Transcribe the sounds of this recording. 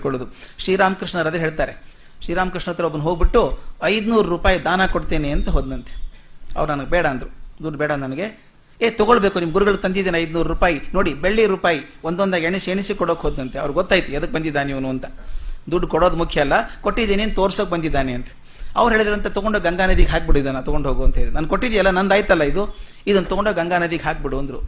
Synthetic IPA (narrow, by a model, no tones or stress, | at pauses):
kɔɭud̪uʃɾiːɾaːmɐkɾiʂɳɐɾɐd̪ɐɦe̞ːɭt̪aːɾe̞ | ʃɾiːɾaːmɐkɾiʂɳɐɐt̪ːɾɐobɐnːuɦoːɡ̚biʈːuɐjd̪unuːɾɾuːpaːjid̪aːnakoɽt̪eːneɐnt̪ɐɦoːd̪nɐnt̪e̥ɐ̰ʋɐɾnɐnɐɡebɛːɽɐːnd̪ɾud̪uɖbɛːɽɐnɐnɐɡe̞ | eːt̪ɔɡoɭbeːkunimɐɡuɾuɡɐɭut̪ɐnd̪id̪eːnɐjd̪nuːɾɾuːpaːjinoːɽibeɭːiɾuːpaːjiond̪ond̪aːɡeɳiseɳisikɔɽoːkeɦoːd̪nɐnt̪eɐ̰ʋɐɾɡɔt̪ːaːjit̪uɐd̪ɐk̚bɐnd̪id̪ːaːneiʋɐnuɐnt̪ɐ̥d̪uɖːkɔɽoːd̪mukʰjɐɐlːɐkoʈːid̪eneɐnd̪t̪oːɾsoːk̚bɐnd̪id̪ːaːneɐnt̪ɐ̥ | ɐ̰ʋɐɾɦeːɭd̪iɾɐnt̪ɐt̪ɔɡoɳɖokɡɐŋɡaːnɐd̪iːɡɦaːk̚biɽuid̪ɐnːɐt̪ɔɡoɳɖɦoːɡuɐnt̪ɐeːd̪ɾnɐnkoʈːid̪jɐlːɐnɐnd̪aːjt̪ɐlːɐid̪u | id̪ɐnːt̪ɔɡoɳɖoːɡɐŋɡaːnɐd̪iːɡɦaːk̚biɽuɐnd̪ɾṵ